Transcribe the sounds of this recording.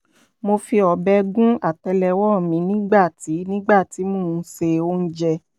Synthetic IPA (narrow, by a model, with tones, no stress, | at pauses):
mo˧fi˧ɔ˨bɛ˧˦ɡũ˦a˦˨tɛ˧lɛ˧wɔ˦˨mĩ˨˦nĩ˦ɡ͡ba˦˨ti˨˦nĩ˦ɡ͡ba˦˨ti˨˦mũː˦˨˧se˧o˦n̩˦d͡ʒɛ˧